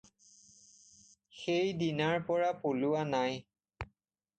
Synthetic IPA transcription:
xejdinaɹpɔɹapolʊwanaj

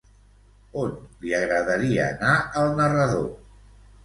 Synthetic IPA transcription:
onliəɣɾəðəɾiəːnaəlˠnərəðo̰

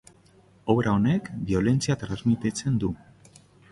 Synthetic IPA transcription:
o̞βɾao̞ne̞kbio̞le̞nt͡siat̪ɾazmit̪et͡se̞nd̪u

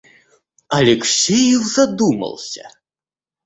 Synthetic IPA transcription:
ɐlʲɛksʲejɛwzad̪umɐ̰lˠsʲɐ̰

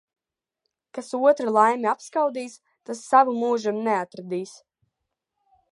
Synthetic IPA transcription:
kasuɔt̪ɾɨlˠajmʲiapskawd̪iːs | t̪asːavumuːʒimneat̪ɾad̪iːs

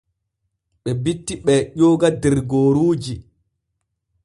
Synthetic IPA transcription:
ɓɛbitːiɓɛʄɔːɡadɛɾɡoːɾuːd͡ʒi

